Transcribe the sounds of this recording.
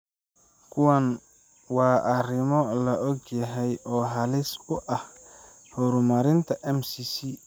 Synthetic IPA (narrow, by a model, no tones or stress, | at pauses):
kʰʊwɐn | wɑːʔɐrɪmɔlɐʔɔɡjɐɦɛjɔːɦɐlɪsʊʔɐh | hɔɾʊmɐɾɪnt̪ʰɐʔɛmsisi